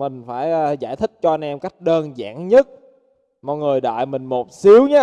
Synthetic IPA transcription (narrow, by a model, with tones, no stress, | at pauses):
mï˨˩ŋ̟faː˧˩jːzaː˧˩jt̪ʰï˦˥k̚t͡ɕɔ˧ʔa˧nʔɛ˧mka˦˥jk̟̚ɗəː˧nza̰ː˧˥ŋɲə˦˥t̚ | mɔ̰˧˨˩jŋɨ˨˩əjɗa̰ː˧˨jmï˨˩ŋ̟mo˨˩t̚si˨˦əwɲaː˨˦